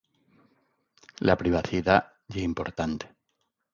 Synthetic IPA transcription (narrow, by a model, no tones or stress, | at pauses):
lapɾiβ̞aθiða | ʝeimpo̞ɾt̪ant̪e̥